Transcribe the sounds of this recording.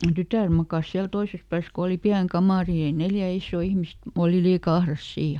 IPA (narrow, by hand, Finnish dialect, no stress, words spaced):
tytæˑr mɑkɑs siæl toises pæːs ko oli piæŋ kɑmɑˑri ni ei neljæ isːoː ihmist oˑli liːkɑ ɑhrɑs siː